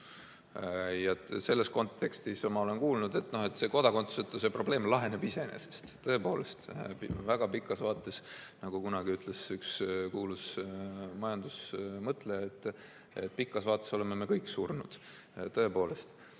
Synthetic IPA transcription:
jɑse̞lːe̞sko̞nt̪ːe̞kst̪ismɑo̞le̞nkuːlnud̪̥e̞t̪ːˑno̞he̞t̪ːˑse̞ko̞d̪̥ɑko̞nt̪sset̪ːˑosepro̞ble̞ːmlɑɦe̞ne̞bise̞enḛse̥st̪t̪ːɤ̞e̞po̞ːle̞st̪pvæɡ̥ɑpikːˑɑsvɑːt̪ːˑe̞snɑɡ̥ukunɑɡ̥iyt̪ˑlesykskuːlus | mɑjɑnd̪̥usmɤt̪ˑle̞et̪ːˑ | ḛt̪̚ːˑpikːˑɑsvɑːt̪ːˑe̞so̞le̞me̞me̞kɤjkːˑsurnud̪̥ | t̪ɤ̞e̞po̞ːle̞st̪

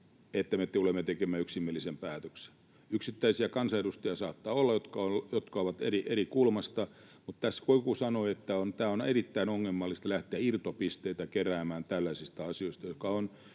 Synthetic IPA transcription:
et̪ːæmet̪ulemːet̪ekemːæyksimːielːisempæːt̪økse̥n | yksit̪ːæisiækɑnsɑedust̪ɑjɑsɑːt̪ːɑːolːɑjot̪kɑoljot̪kɑoʋɑt̪ḛriʔerikulmɑst̪ɑ | mut̪t̪æskoikusɑnoiet̪ːæont̪æːonerit̪ːæinoŋːemːɑlːist̪læht̪eæirt̪opist̪eit̪ækeræːmæːnt̪ælːæsist̪ɑɑsioist̪ɑjokɑon

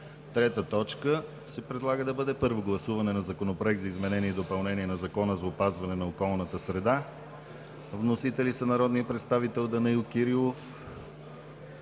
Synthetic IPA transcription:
t̪ɾɛt̪ət̪ɔt͡ʃkə | sɛpɾɛd̪lˠaɡəd̪ɐbɤd̪ɛpɤɾvoɡlˠɐsuvɐnɛnɐzɐkonopɾoɛk̚t̪zəizmɛnɛniɛd̪opɐlˠnɛniɛnɐzɐkɔnəzɐopazvɐnɛnɐokɔlˠnət̪əsɾɛd̪a | vnosit̪ɛlisɐnɐɾɔd̪nijəpɾɛt̪st̪avit̪ɛlˠd̪ɐnɐikʲiɾilˠof

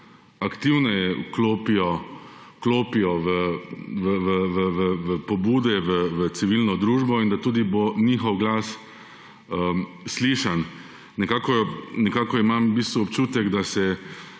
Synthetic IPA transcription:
akt̪iwnɛjɛukloːpijɔkloːpiɔʋəʋəʋəʋəʋəʋəpɔbuːd̪ɛʋəʋəsiʋilnɔd̪ɾuːʒbɔind̪at̪uːd̪ibonixɔwɡlas | ə | sliʃanː | ɛkakɔnɛkaːkɔimambiːst̪ʋuɔpt͡ʃuːt̪ɛɡd̪asɛ

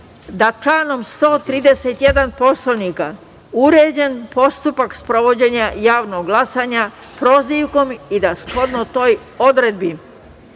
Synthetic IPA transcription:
d̪at͡ʃlaːno̞mst̪o̞ːt̪ɾiːd̪e̞set̪jed̪anpo̞slonika | uɾeːd͡ʑe̞npo̞st̪upakspɾo̞ʋo̞d͡ʑe̞ɲajaːʋnoɡɡlˠasaːɲa | pɾo̞ziːʋko̞mid̪asxo̞d̪not̪o̞ːj | o̞d̪ɾed̪̚bi

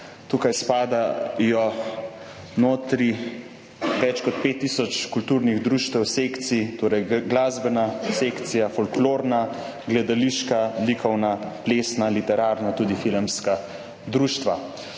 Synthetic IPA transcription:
t̪ukajspaːd̪ajɔ | noːt̪ɾi | ʋɛt͡ʃkɔt̪peːt̪ːisɔt͡ʃkult̪uːɾniɣd̪ɾuːʃt̪ɛwsekt̪sit̪oːɾɛjɡlaːzbɛnasekt̪sijafɔlkloːɾna | ɡlɛd̪aliʃkalikʰɔwnaplesnalit̪ɛɾaːɾnat̪uːd̪ifilmska | d̪ɾuːʃt̪ʋa

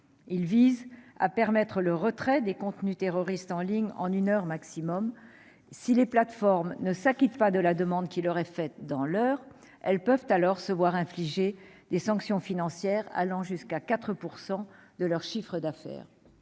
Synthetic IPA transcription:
ilviza̰pɛʁmɛt̪χələʁət̪χɛd̪ekɔ̃t̪nyt̪eʁɔʁist̪ɑ̃liɲɑ̰̃nynœʁmaksimɔm | sileplat̪fɔʁmnəsakʲit̪pad̪əlad̪əmɑ̃d̪kʲilɔʁɛfɛt̪̚d̪ɑ̃lœːʁ | ɛlpœvt̪alɔʁsəvwaʁɛ̃fliʒed̪̥esɑ̃ksjɔ̃finɑ̃sjɛʁa̰lɑ̃ʒyskakat̪χəpuʁsɑ̃d̪əlœʁʃifχəd̪afɛ̰ːʁ

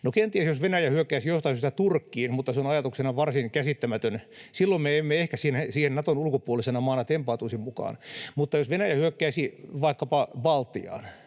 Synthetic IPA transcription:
nokent̪iæsjosʋenæjæhyøkːæːsijost̪ɑhyst̪ɑt̪urkːiːnmut̪ːɑseonɑjɑt̪uksenɑʋɑrsiŋkæsit̪ːæmæt̪ønsilːommeemːeehkæsiːnesiːhennɑt̪onulkopuolisenɑmɑːnɑt̪empɑːˑt̪uisimmukɑ̰ːnmut̪ːɑjosʋenæjæhyøkːæːsiʋɑikːɑpɑbɑlt̪ːḭɑ̰ːn

